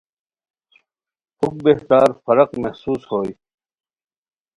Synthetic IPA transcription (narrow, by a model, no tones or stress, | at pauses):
huk̚beht̪aːɾfɐɾɐqmɐhsuːshoːj